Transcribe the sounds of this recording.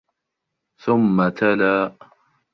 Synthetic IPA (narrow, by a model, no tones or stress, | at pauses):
θʊmːat̪ʰalaː